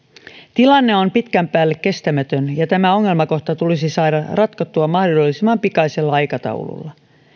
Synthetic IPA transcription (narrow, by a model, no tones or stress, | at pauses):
t̪ilɑnːe̞ompit̪kæmpæːlːe̞kːe̞st̪æmæt̪ønjɑt̪æmæo̞ŋːe̞lmɑko̞ht̪ɑt̪ulisisɑːdɑrʔɑt̪kɑt̪ːuɑmːɑhdolːisimːɑmpikɑiselːɑɑjkɑt̪ɑ̰uw̰lṵlːɑ